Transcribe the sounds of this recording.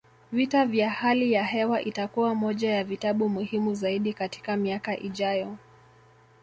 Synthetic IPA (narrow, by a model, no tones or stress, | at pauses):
vitavjahalijahɛwaʔitakuwamɔʄajavitaɓumuhimuzaiɗikati̥kamiakaʔiʄajɔ